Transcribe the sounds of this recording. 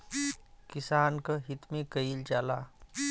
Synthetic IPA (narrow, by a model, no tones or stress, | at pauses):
kɪsaːnkɐɦɪt̪mẽkəild͡ʒaːlaː